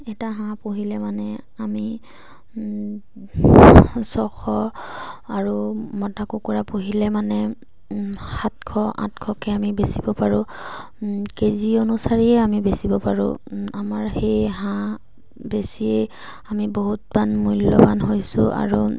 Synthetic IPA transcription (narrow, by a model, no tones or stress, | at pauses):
ɛtaɦãpoɦilɛmanɛami | sɔxʰɔ | aɹumɔtakukɔɹapoɦilɛmanɛ | hatkʰɔʔã̰tkʰɔkɛamibesibɔpaɹʊ | kezionusaɹiɛamibesibɔpaɹʊ̰amaɹhejɦã | besiɛ | amiboɦutbanmujlːɔ̰banɦojsʊ̰ʔa̰ɹu